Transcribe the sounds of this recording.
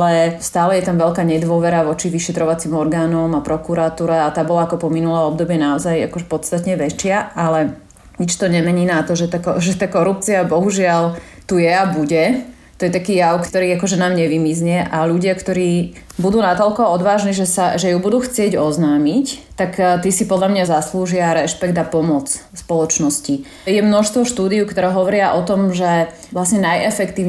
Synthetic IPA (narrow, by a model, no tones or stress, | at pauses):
alɛst̪aːlɛjɛt̪amʋɛʎkaːɲɛd̪ʋɔʋɛɾaʋɔt͡ʃiʋiʃɛt̪ɾɔʋat͡simɔɾɡaːnɔmapɾɔkuɾat̪uːɾɛat̪aːbɔlaakɔpɔminulɛɔb̚d̪ɔbɪɛnaɔzaja̰kɔʒɛpɔt̪st̪at̪ɲɛʋɛt͡ʃɪaalɛ | ɲit͡ʃt̪ɔɲɛmɛɲiːnat̪ɔʒɛt̪akɔʒɛt̪aːkɔɾup̚t͡siabɔɦuʒɪal | t̪ujɛabuɟɛ | t̪ɔjɛt̪akiːjaukt̪ɔɾiːakɔʒɛnaːmɲɛʋimizɲɛʔaʎuɟɪakt̪ɔɾiː | bud̪uːnat̪ɔlkɔɔd̪ʋaːʒniʒɛsaʒɛjubud̪uːxt͡sɪɛɟɔznaːmict̪akt̪isipɔd̪lʎamɲazasluːʒɪaɾɛʃpɛɡd̪apɔmɔt͡s | spɔlɔt͡ʃnɔsci | jɛmnɔʃst̪ʋɔʃt̪uːd̪iukt̪ɔɾɛɦɔʋɔɾɪaʔɔt̪ɔmʒɛ | ʋlasɲɛnajʔɛfɛkt̪iːʊ